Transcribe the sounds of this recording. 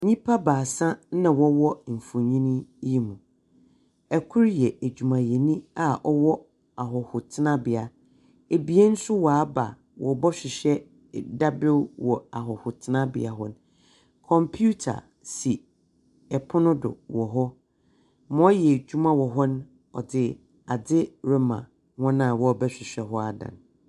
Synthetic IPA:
ɲĩ˦pʰa˦baː˨sã˦nã˨wɔ˦wɔ˦m̩˨fʊ̃˨ɲĩ˦nĩ˦ji˦mũ˨ | ɛ˨kʰʊ˦ɾjɛ˨æ˨d͡ʑᶣu˨mã˨jɛ˨nĩ˦a˨ʔɔ˦wɔ˦ | a˨ɦɔ˨hʊ˨tʰɪ˦nã˦bɪ˨a˨ | e˨bi˨e˦n̩˦sʊ˦waː˨˦ba̰˨ | wɔ˨bɔ˦ɕᶣɪ˨ɕɛ˦ | da˦bɪ˦lwɔ˨a˨ɦɔ˨hʊ˨tʰɪ˦nã˦bɪ̰˨a̰˨ɦɔ˦n˦ | kʰɔ̃˨mpʰu˦tʰa̰˨ | si˨ | ɛ˨pʰʊ˦nʊ̃˦dʊ̰˨wɔ˨ɦɔ˦ | mɔ̃˦jɛ˨d͡ʑᶣu˦mã˦wɔ˨ɦɔ˦ñ˦ | ɔ̰˨dɪ˨ | a˨dɪ˦ɾɪ˦mã̰˨ | wɔ̃˦nã˨wɔ˦ɔ˨bɛ˦ɕᶣɪ˨ɕᶣɛ˨ɦɔ˦a˦dã̰˨n

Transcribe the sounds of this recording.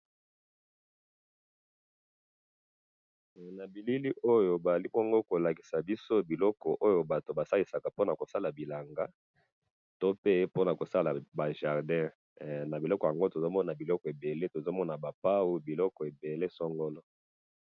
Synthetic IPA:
na˨bi˨li˦li˦ʔo˦jo˨ba˨za˨li˦po˦a˨ŋɡo˦ko˨la˨ki̥˨sa˨bi˦so˦bi˨lɔ˦kɔ˨ʔo˦jo˨ba˨to˨ba˨sa˦li˨sa˨ka˨po˦na˨ko˨sa˦la˨bi˨la˨ŋɡa˦ | to˦pe˦po˦na˨ko˨sa˦la˨ba˨ʒa˨ʁdɛ̃˦ | na˨bi˨lɔ˦kɔ˨ja˨ŋɡo˦to˨zo˦mɔ˦na˨bi˨lɔ˦kɔ˨e˨be˨le˦to˨zo˦mɔ˦na˨ba˨pa˦wu˦bi˨lɔ˦kɔ˨e˨be˨le˦sɔ˦ŋɡɔ˦lɔ˦

